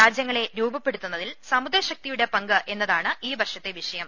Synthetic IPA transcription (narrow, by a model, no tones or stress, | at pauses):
ɾaːd͡ʑjɐŋːɐɭe̞ɾuːbɐpːe̞ɽut̪ːunːɐðilsɐmud̪ɾɐɕɐk̚t̪ijuɽe̞pɐŋɡɐʔe̞nːɐðaːɳɨiːbʱɐʂɐt̪ːe̞ʋiʂɐjɐm